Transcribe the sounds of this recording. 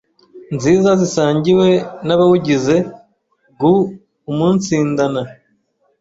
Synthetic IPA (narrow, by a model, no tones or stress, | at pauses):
nziːzazisaːɲɟiwe̞naβawuɟize̞ | ɡuː | muːnt͡siːndana